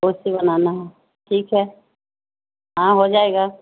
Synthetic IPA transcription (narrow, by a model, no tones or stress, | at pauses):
oːsibɐnaːnaɦɛ | ʈʰiːkɦɛː | ɦãɦod͡ʒaːeːɡaː